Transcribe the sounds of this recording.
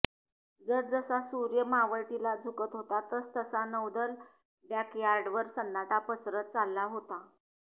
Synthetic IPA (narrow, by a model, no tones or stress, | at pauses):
d͡zəɾd͡zəsasuɾjəmaʋəɭt̪ilad͡zʱukət̪ɦot̪at̪əst̪əsanəwd̪əl | ɖjakjaɾɖʋəɾsənːaʈapəsɾət̪̚t͡salːaɦot̪a